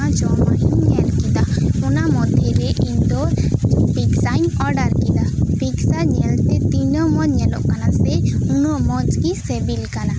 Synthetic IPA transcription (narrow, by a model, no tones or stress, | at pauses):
ãt͡ʃɔmaɦinɲɛlkid̪aunamɔd̪ʱːeɾeʔind̪ɔpiksajnɔɾɖaɾkid̪apiksaɲɛlt̪ɛt̪inɔmɔɲɛlɔ̰ʔkanasɛunɔmɔd͡ʒkisebilkana